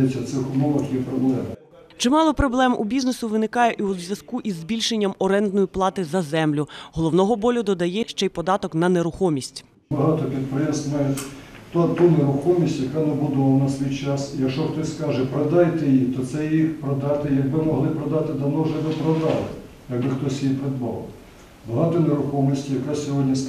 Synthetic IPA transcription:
ɛtʲːɐt̪sɪxʊmɔʋɐxjɛpɾɔblˠɛmɐ | t͡ʃɪmɑlˠɔpɾɔblˠɛmʔubʲiznesʊʋɪnɪkɑjɛʔiuzʲʋʲjɐskuʔizbʲilʲʃenʲːɐmɔɾɛnd̪nɔjiplˠɑt̪ɪzɐzɛmlʲʊɦɔlˠɔwnɔɦɔbɔlʲʊd̪ɔd̪ɐjɛʃt͡ʃɛjpɔd̪ɑt̪ɔknɐneɾʊxɔmʲisʲtʲ | bɐɦɑt̪ɔpʲid̪̚pɾɪjɛsnɐjɛt̪ɔt̪uneɾʊxɔmʲisʲtʲjɐkɑnɐbʊd̪ɔʋˠɐnɐsʲʋʲijt͡ʃɑsijɐkʃt͡ʃɔxt̪ɔsʲskɑʒɛpɾɐd̪ɑjt̪ɛjit̪ɔt̪sɛjixpɾɔd̪ɑt̪ɪjɐɡ̚bɪmɔɦlˠɪpɾɐd̪ɑt̪ɪd̪ɐwnɔwʒɛd̪ɔpɾɔd̪ɑlˠɪ̰ | jɐɡ̚bɪxt̪ɔsʲjipɾed̪bɑ̰lˠ | bɐɦɑt̪ɔneɾʊxɔmʲisʲtʲijɐkasʲɔɦɔdʲnʲi

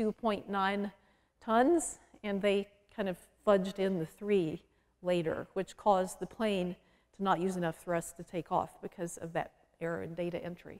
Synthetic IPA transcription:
tʉpʰɔ̃ɪ̃nːãɪ̃n | tʰʌ̃nz̥ɨ̃nðeɪ | kʰãɪ̃ndʌv̥fʌd͡ʒdɪ̃nðɨθɹi | leɪɾə̰˞wɨt͡ʃkʰɔzðɨpʰl̥ẽɪ̃n | tʰənət̚jʉzɨnʌfθɹʌstʰɨtʰeɪkɔ̰fb̥ɨkʰʌzʌ̰vðɨ̰ɾ | ɛɹə̰ɨ̰̃ndeɪɾɨ̰ʔɛ̃nt͡ʃɹ̥ḭ

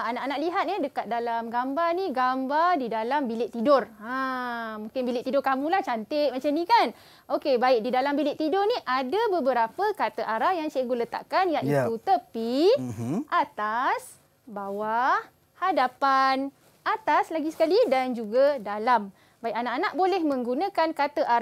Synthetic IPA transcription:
aanaʔanaʔliɦat̪̚nɛdəkat̪̚dalamɡambarniɡambardidalambilɪʔt̪idʊramũŋkɪnbilɪʔt̪idʊrkamũlaht͡ʃant̪ɪʔ̚mat͡ʃamnĩkan | ʔokebaɪk̚didalambilɪʔt̪idʊrniʔadabəbəɾapəkat̪əʔaɾajaŋsajaɡulət̪a̰ʔkanjaʔit̪ut̪əpi | ʔat̪as | bawa | hadapan | ʔat̪aslaɡisə̥kalidand͡ʒuɡadalam | baiʔanaʔanaʔbolɛhmə̃ŋɡunãkankat̪əʔaɾa

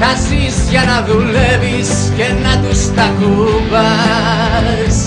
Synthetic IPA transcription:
kasizjanaðuleβis | kenat̪ust̪akuβa | s

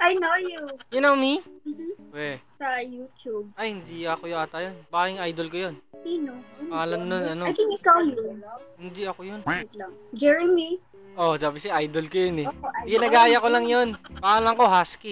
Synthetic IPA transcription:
ʔajnojujʊnɐmim̩wɛsɐjut͡ʃub̚ʔɐjhɪnd̪iɐkojʊaːt̪ɐjonbaːkɪŋajd̪olkojonsinopɐalɐnnonɐnoajt̪iŋɪkawjunohɪnd̪iɐkojonlɐŋd͡ʒɛɹɛmi | ʔod̪abɪsɛʔajd̪olkojonɛɪnɐɡaːjɐkolɐŋjo̞npaalɐŋko̞ɦaski

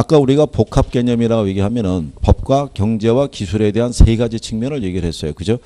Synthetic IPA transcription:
ak͈auɾiɡapokʰap̚k͈e̞ɲʌmiɾaɡoiɡiɦamjʌnɯnpʌp̚k͈wakjʌŋd͡ʑe̞wakisʰuɾe̞de̞ɦansʰe̞iɡad͡ʑit͡ɕʰɯŋmjʌnɯɭje̞ɡiɾɭɦe̞s͈ʌjokɯd͡ʑo

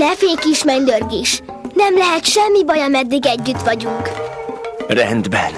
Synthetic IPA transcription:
nɛfeːkiʃmɛɲd̪ørɡeːʃ | nɛmlɛɦɛt̪ʃɛmːibɒjɒmɛd̪ːiɡɛɟːyt̪ʋɒɟuŋk | rɛ̰nd̪bɛ̰n

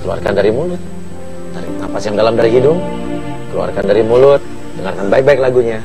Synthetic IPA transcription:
kəlua̰rkandaɾimulʊt̪̚ | daɾḭŋa̰pasjaŋdalamdaɾiɦidʊŋ | kəlṵa̰rkandaɾimulʊt̪̚ | dəŋarkanbaɪk̚baɪk̚laɡuɲa

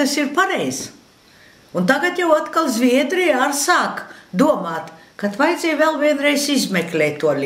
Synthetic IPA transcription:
asiɾpaɾɛjz | unt̪aɡat̪jawat̪kalˠzʲvʲiɛd̪ɾiaɾsaːkd̪uɔmaːt̪kat̪vajd̪zʲɛjvɛːlˠviɛnɾɛjsizmɛklʲɛːt̪t̪ːuɔlʲ

